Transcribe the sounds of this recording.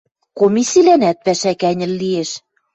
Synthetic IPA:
komisilænæt̪̚pæʃækænʲɘ̆lːieʃ

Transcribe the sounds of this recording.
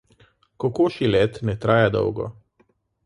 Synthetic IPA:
kɔkoːʃilɛt̪nɛt̪ɾaːjad̪ɔ̰wɡɔ̰

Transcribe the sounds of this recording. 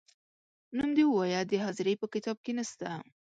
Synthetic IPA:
numd̪ewwɑjad̪əɦɑzɪɾepəkɪt̪ɑb̚kenəst̪a

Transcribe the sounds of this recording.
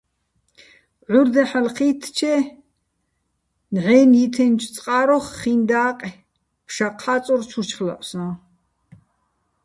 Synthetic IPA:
ʕuɾd̪ɛħalχiːt̪ʰt͡ʃʰɛ | nʕɛːnit̪ʰɛnt͡ʃʰt͡sʼqʼaːɾɔχːind̪aːqʼ | pʰʃaqʰaːt͡sʼɔɾt͡ʃʰut͡ʃχla̰ʔʼsna

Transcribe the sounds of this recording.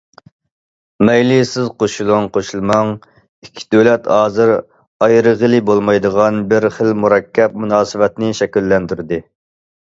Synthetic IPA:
mɛjlisɪzqʰoʃulˠuŋqʰoʃulˠmɑŋ | ikʲʰːi̥d̪ølɛt̪hɑːzɨɾ | ɑjɾəʁəlɪbolˠmɑjd̪əʁɑnbɪɾχəlmuɾɛkʲʰːɛp̚munɑːsɨwɛt̪nɪʃɛkʲylːɛnd̪yɾd̪ɪ

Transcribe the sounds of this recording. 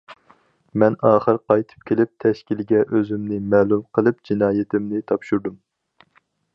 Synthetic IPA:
mɛnɑːχəɾqɑjt̪ʰɨ̥p̚kʲʰelɪp̚t̪ʰɛʃkʲilɡʲɛʔøzymnɪmɛːlˠumqəlˠɨp̚d͡ʒinɑːjɪt̪ʰɪmnɪt̪ʰɑpʃuɾd̪um

